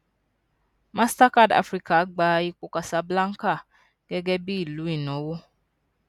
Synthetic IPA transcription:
ma˦sta˦ka˦˨da̰˦fɾi˦ka˨a˦ɡ͡baː˦ji˦k͡pʊ˨ka˨sa˨bla˦ŋ̩˦ka˦˨ | ɡ̥ɛ˦ɡɛ˦bi˦˨lu˨˦i˦˨nɔ˨˦wo˦

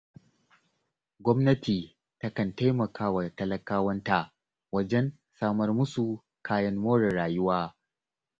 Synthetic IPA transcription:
ɡʷɔ˦mnɐ˦tiː˨ | tɐ˦kɐ˨nta˦jmɐ˨kʰaː˦wa˨tɐ˦lɐ˦kaː˦wɐ˦nta˨ʔ | wɐ˦d͡ʒɛ˦n | saː˦mɐ˦rmʊ˦su˨ | kʰaː˦jɐ˦nwoː˦ɽɐ˨ɽaː˨jʊ˦waː˦

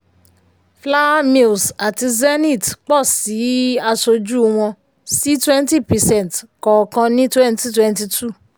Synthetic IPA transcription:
fla˦mi˦˨lsa˨ti˧zɛ˦nĩ˦˨tk͡pɔ˦˨si˨˦a˧so˧d͡ʒu˦w̃ɔ̃˧ | si˨˦twɛ̃˦nti˦˨pɛ˨sɛ̃˦˨tkɔ˨kã˧nĩ˦twɛ˦nti˦twɛ̃˦nti˧tʰu˦˨

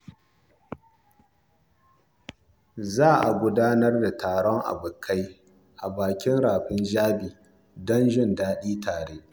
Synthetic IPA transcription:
zaː˦˨ʔa̰˨ɡʷʊ˦daː˦nɐ˦rda˨tʰaː˨ɽɔ˦ŋʔa̰˨bʊ˨kʰa˦j | ʔa˨baː˨kʲɪ˦nɽaː˨ɸɪ˦nd͡ʒaː˦biː˨ | dɔ˦nʒɪ˦ndaː˦ɗiː˦taː˨ɽeː˦ʔ

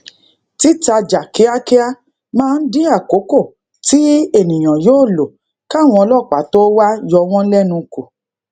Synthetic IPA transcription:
ti˨˦ta˧d͡ʒa˨ki˨˦a˦ke˦a˦ | mãː˦˧n̩˦dĩ˦a˦˨ko˨˦ko˦˨ | ti˨˦e˦˨nĩ˨j̃ã˨joː˦˨lo˨ | ka˦˨w̃ɔ̃˧ɔ˧lɔ˦˨k͡pa˨˦to˦wa˦jɔ˧w̃ɔ̃˦n̩˦lɛ˦nũ˧ko˨

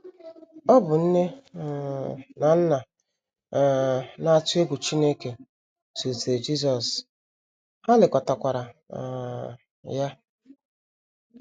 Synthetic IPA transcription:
ɔ˦bʊ˨n̩˦ne˦ | na˨n̩˦na˨ | na˦˨tʊ˦e˦ɡʷu˨t͡ʃi˦ne˦ke˨ | su˨td͡ʒi˦s̬ɔ˨s | ha˦lɪ˨kʷɔ˨ta˨kʷa˨ɾa˨ | ja˦

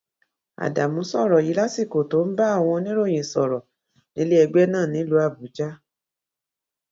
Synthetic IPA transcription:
a̰˨da˨mũ˨˦sɔ˦˨ɾɔ˨ji˨˦la˦si˦˨ko˨to˨˦n̩˦ba˦a˦˨w̃ɔ̃˧nĩ˦ɾo˦˨j̃ĩ˨sɔ˨ɾɔ˨ | nĩ˨˦le˦ɛ˧ɡ͡bɛ˦nãː˦˨nĩ˨˦lu˧˦a˦˨bu˨˦d͡ʒa˦

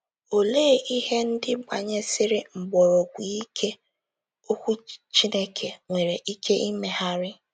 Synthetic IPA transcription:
o˨le˦˨ʔi˦ɦe˦n̩˦dɪ˦ɡ͡ba̰˨ɲe˦sɪ˦ɾɪ˦ŋ͡m̩˨ɡ͡bɔ˨ɾɔ˨ɡʷi˨i˦kʰe˦ | o˦kʷu˦t͡ʃi˦ne˦kʰe˨ŋʷe˨ɾe˨ʔi˦ke˦ʔi˦me˦ha˦ɾɪ˦

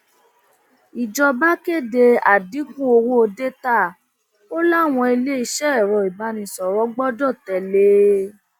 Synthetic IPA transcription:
i˨d͡ʒɔ˧ba˦ke˦˨de˧a˨di˨˦kũ˦o˧wo˦o˧de˦ta˦˨ | o˦la˦˨w̃ɔ̃˧i˧le˦i˧ʃɛ˦˨ɾɔ˨i˨ba˨˦nĩ˧sɔ˨ɾɔ˨˦ɡ͡bɔ˦dɔ˦˨tɛ˨le˦

